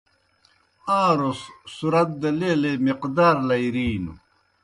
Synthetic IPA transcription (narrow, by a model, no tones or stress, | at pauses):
ãːɾosːuɾɐt̪̚d̪ɐleːlemiqd̪aːɾlɐiɾiːnṵ